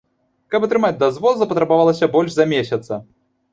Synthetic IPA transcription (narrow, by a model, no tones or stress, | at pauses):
kɐpɐt̪ɾɨmad͡zʲd̪ɐzvɔzɐpɐt̪ɾɐbavalˠɐsʲɐbɔlʲʂzɐmʲesʲɐt̪sɐ